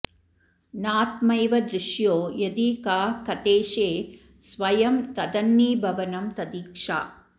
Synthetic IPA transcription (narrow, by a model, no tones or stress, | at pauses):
naːt̪mɐjʋɐd̪ɾɪʃjoːjɐd̪iːkaːkɐt̪eːʃeː | sʋɐjɐmt̪ɐd̪ɐnːiːbʱɐʋɐnɐmt̪ɐd̪iːkʂa̰ː